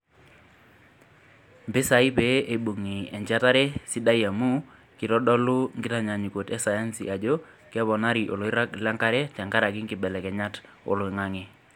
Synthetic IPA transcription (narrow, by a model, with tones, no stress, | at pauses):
mbɪ˦sa˨˦i˦pe˦ʔe˨ɓu˨ŋi˨ɛ˨ɲd͡ʒa˦ta˦ɾɛ˦si˦da˦ja˨mu˦ | kɪ˨ɾɔ˦ɗɔ˦lʊ˦ŋɡɪ˦ta˨ɲa˨ɲi˨ko˨tɛ˦sa˨ja˦nsḭ˨ʔa˨d͡ʒo˦ | kɛ˦βɔ˨na˦ɾi˨ʔo˨lo˨˦ɪ˦ɾa˦kla˦ŋka˦ɾɛ˦tɛ˨ŋɡa˦ɾa˨kɪ˦ŋɡɪ˨ɓɛ˨lɛ˨kɛ˨ɲa˦t | o̰˨lo˨ɪ˨ŋa˦ŋe˦